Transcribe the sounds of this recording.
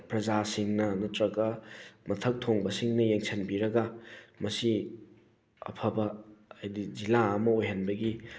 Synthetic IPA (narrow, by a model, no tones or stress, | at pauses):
pɾɐd͡ʒasiŋnɐnɐtɾɐkɐmɐtʰɐk̚tʰoŋbɐsiŋnɐjeŋsʰenbiɾɐɡɐmɐsi | ɐ̰pʰɐbɐːjdizilaɐmɐojɦɐnbɐɡi